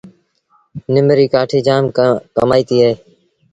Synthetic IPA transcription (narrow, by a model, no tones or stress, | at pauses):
nɪmɾiːkaːʈʰiːd͡ʒaːmkəmaːiːt̪iːɦeː